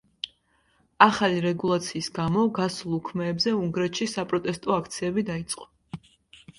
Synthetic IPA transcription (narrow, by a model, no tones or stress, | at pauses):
aχaliɾɛɡulˠat̪sʰiːsɡamɔɡasulˠukʰmɛːbzɛuŋɡɾɛt̪ʃisapʼɾɔt̪ʼɛst̪ʼɔakʰt̪sʰiɛbid̪ait̪sʼqʼɔ